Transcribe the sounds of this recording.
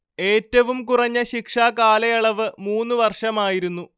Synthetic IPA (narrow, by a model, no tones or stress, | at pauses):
e̞ːtːɐʋumkurɐɲːɐɕikʂaːkaːlɐjɐɭɐʋɨmuːnːuʋɐrʂɐmaːjiɾunːu